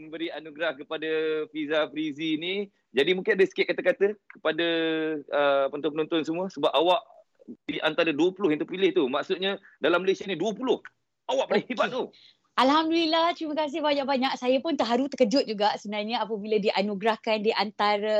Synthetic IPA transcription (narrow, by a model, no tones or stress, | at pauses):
məbəɾianuɡɾahkəpadafizafɾiziːni | d͡ʒadimũŋkɪnadəsə̥kiɛt̪ʔ̚kat̪akat̪əkə̥padaəpənt̪ɔnpənɔ̃nt̪ʊnsəmuəsəbap̚awaʔ | diʔant̪aɾəduəpulʊhjãŋt̪əpilɪht̪umaʔsʊt̪̚ɲa | dalamːəlesianiduəpulʊh | awaʔ̚pəlɪhhibat̪̚t̪u | ʔalɦamdulilaht̪ɾiməkas̬ɪhbaɲãʔ̚baɲaʔsajəpʊnt̪əɦaɾut̪əkəd͡ʒʊt̪̚d͡ʒuɡaʔsəbənarɲəapəbiladiʔanuɡɾahkandiʔant̪aɾə